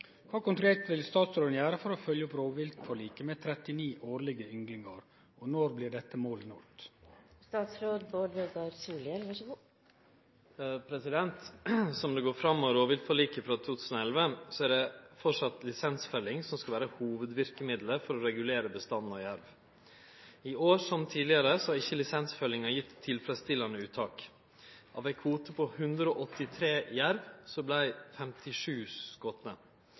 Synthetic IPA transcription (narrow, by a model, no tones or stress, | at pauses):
kʰʋɑːkʊnt̪ɾʉleːʈ̪ʋɪlst̪ɑːt̪sɾoːd̪njæːɾəfɔɾɔfœljəɔpɾoːʋɪlt̪fɔɭiːkəmeːt̪ʰɾɛt̪ɪniːʔoːɾɭɪɡəʏŋɡlɪŋɑɾ | ɔnɔɾblɪɾɖɛt̪ːəmoːlənɔ̰lt̪st̪ɑːt̪sɾoːd̪boːɖʋeɡɑɾsuːlɪɛlʋɑʂɡuː | pʰɾɛsɪd̪ɛnt̪sɔmd̪ɛɡoːɾfɾɑmːɔɾoːʋɪlt̪fɔɭiːkəfɾɑt̪ʰuːt̪ʰʉːsənɔɛlʋəsɔæɖɛfɔʂɑt̪lɪsɛnsfœlːɪŋsɔmskɑʋæːɾəhuːʋəd̪ʋɪɾkəmɪd̪ləɾfɔɾɔɾɛɡʉleːɾəbəst̪ɑnːɔjæɾʋ | ioːʂɔmt̪ʰiːd̪lɪɑɾəsɔhɑɾɪçːəlɪsɛnsfœlːɪŋɑjɪt̪ʰːɪlfɾɛst̪ɪlːɑnəʉːt̪ʰːɑːk | ʔɑ̰ːʋæɪkʰʋuːt̪əpʰɔhʉnd̪ɾəoːʔɔt̪ːɪt̪ʰɾeːjæɾʋsɔblæɪfɛmt̪ʰɪʂʉːskɔt̪mə